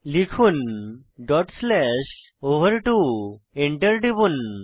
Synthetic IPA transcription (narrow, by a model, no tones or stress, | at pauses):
likʰuːn | ɖɔʈslɛɕ | oʋəɾʈu | eɳʈəɾɖibuːn